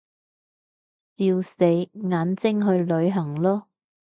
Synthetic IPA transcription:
t͡siː˧wse˨˧˥jŋaː˨˥nt͡sɪ˥ŋɦɵ˧ɥlɵ˨˧ɥɦɐ˨˩ŋlɔː˥

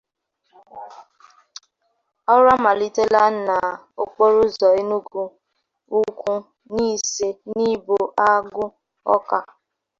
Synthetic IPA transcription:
ɔ˦ɾa˦ma˨li˦te˦la˦na˨ | o˦k͡po˦ɾʊ˦zɔ˨e˦nu˦ku˦ | u˦ku˦ | ni˦˨se˦ni˦bo˨ʔa˦ɡʊ˦ | ɔ̰˦ka˦

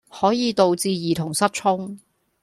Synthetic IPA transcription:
hɔː˨˥jiː˨˧t̪o˨wt͡siː˧jiː˨t̪ʰʊ˨˩ŋsɐ˥t̚t͡ʃʰʊ˥ŋ

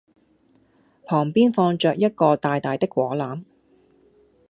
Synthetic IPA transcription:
pʰɔː˨˩ŋpiː˥nfɔː˧ŋt͡ʃœː˨k̚jɐ˥t̚kɔː˧t̪aː˨jt̪aː˨jt̪ɪ˥kːʷɔː˨˥laː˨˥m

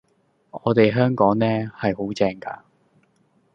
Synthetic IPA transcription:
ɔː˨˧t̪e˨jɦœː˥ŋkɔː˨˥ŋnɛː˥hɐ˨jho˨˥wt͡sɛː˧ŋkaː˧

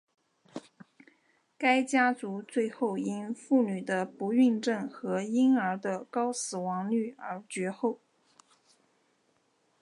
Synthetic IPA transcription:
ka˥ɪt͡ɕja˥t͡su˧˥t͡swe˥˧ɪxo˥˩ʊi˥nfu˥˩ny˨˩d̪ə˦pu˧˥y˥˧nʈ͡ʂə˥˩nxɤ˧˥i˥nə˞˧˥d̪ə˧kɑ˥ʊsɹ̩˨˩wɑ˧˥ŋly˥˩ə˞˧˥t͡ɕɥɛ˧˥xo˥˩ʊ

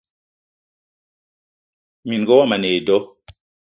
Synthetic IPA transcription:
mi˨n˨ɡɔ˦wa˦˨ma˨ne˨dɔ˦

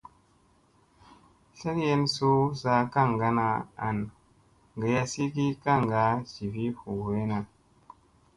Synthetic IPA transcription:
ɬə˦kje˦nsu˦sa˧ka˦˨ŋ˨ɡa˦na˨a̰˨n | ŋɡə˨ja˦si˦ki˦ka˦˨ŋ˨ɡa˦t͡ʃi˨vi˦hu˨ɡwe˦na˨

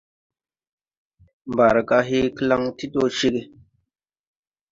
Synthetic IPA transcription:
m˨ba˨ɾka˧ɦe˦ki˦la˦ŋti˦do˦ʃe˦ɡe˦

